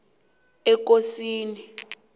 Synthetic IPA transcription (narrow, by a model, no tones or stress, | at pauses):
ɛk̬ʼosiːni